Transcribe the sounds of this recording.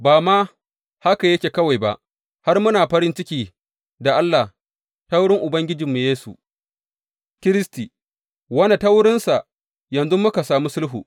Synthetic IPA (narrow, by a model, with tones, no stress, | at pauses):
baː˨maː˦ | ha˦ka˨jɐ˦kʲeː˨kɐ˦wa˨jba̰˦˨ʔ | ha˦rmʊ˦naː˨ɸɐ˦ɽɪ˦nt͡ʃɪ˦kʲiː˨ | da˨ʔa˦lːa˨h | ta˦wɽɪ˦ŋʔʊ˨bɐ˦ŋɡʲɪ˦d͡ʒɪ˨mːu˨jeː˦sṵ˨ | kʲɪ˦ɾɪ˦sti˨ | wɐ˦na˨ta˦wɽɪ˦nsa˨ʔ | jɐ˨nzʊ˦mːʊ˦ka˨saː˨mu˦sʊ˦lɦuː˨